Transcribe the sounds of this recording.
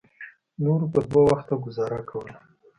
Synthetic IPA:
noɾpəd̪wawaxt̪aɡʊzɑɾakawəla

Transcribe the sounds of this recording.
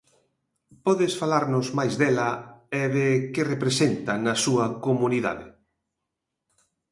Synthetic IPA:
pɔðɪsfalaɾnʊzmajzðɛlɐɛðɪkerepɾesent̪ɐnɐsuɐkomuniða̰ðɪ̰

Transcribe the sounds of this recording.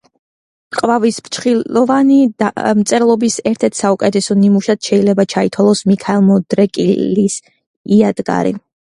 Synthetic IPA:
qʼvavisbt͡ʃʰχiɔvanimt̪sʼɛɾlˠɔbisɛɾt̪ʰɛɾt̪ʰsaukʼɛt̪ʰɛsɔnimuʃad̪̥ʃɛilɛbat͡ʃʰait̪ʰwalˠɔsmikʰaɛlˠmɔd̪ɾɛkʼḭlis | iad̪̥ɡa̰ɾḭ

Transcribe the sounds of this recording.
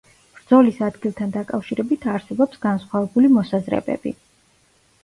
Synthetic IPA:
b̥ɾd̪zɔlisad̪ɡilˠt̪ʰand̪akʼafʃiɾɛbit̪ʰaɾsɛbɔpsɡ̥ansχwavɛbulimɔsazɾɛ̰bɛ̰b̥ḭ

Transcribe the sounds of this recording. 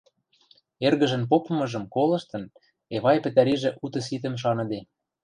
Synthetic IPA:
erɣə̆ʒə̆np̬opɤ̆mɤ̆ʒɤ̆mkolɤ̆ʃt̪ɤ̆n | eβɑjpɘ̆t̪æɾiʒĕʔut̪ɤ̆s̬it̪ə̆mʃ̬ɑnɤ̆d̪e

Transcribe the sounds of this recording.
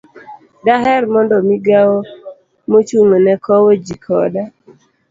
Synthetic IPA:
daɦɛrmɔndɔmiɡawo | mot͡ʃuŋɔnɛkɔwod͡ʒikʰɔda

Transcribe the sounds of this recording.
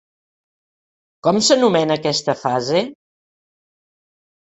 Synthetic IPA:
kɔmsənumɛnəːkɛst̪əfaze

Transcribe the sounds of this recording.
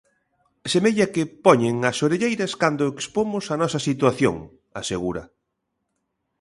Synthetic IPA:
semeʎɐkɪpɔɲɪŋɐsoɾeʎejɾɐskand̪ʊekspomʊsɐnɔsɐsit̪waθjo̰ŋ | aseɣuɾɐ̰

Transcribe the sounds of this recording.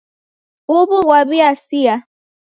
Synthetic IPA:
ʊbʊwabiasia

